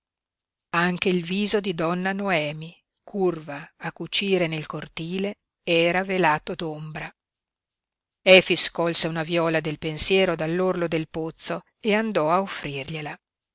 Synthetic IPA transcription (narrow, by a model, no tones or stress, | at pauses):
aŋk̟eilviːzod̪id̪ɔnːanoɛːmi | kʰurvaːkːut͡ʃiːɾenelkort̪iːle | ɛːɾavelaːt̪od̪ombɾa | ɛːfiskɔlseunavjɔːlad̪elpensjɛːɾod̪alːorlod̪elpot̪sːo | eand̪ɔaofːɾirʎela